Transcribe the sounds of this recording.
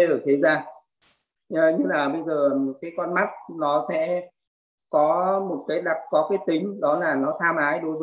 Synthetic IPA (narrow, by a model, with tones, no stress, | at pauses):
ɗəː˨˧˩t̪ʰe˨˦zaː˧ | ʔəː˨˩ɲɨ˧ŋlaː˨˩ɓə˧jzəː˨˩kaː˨˦jkɔ˧nma˦˥t̚nɔ˨˦sɛ̰˧˥ | kɔ˨˦mo˨˩t̚kaː˨˦jɗa˨˩t̚kɔ˨˦kaː˨˦jt̪ï˨˦ŋ̟ɗɔ˨˦laː˨˩nɔ˨˦t̪ʰaː˧mʔaː˨˦jɗo˨˦jvəː˨˦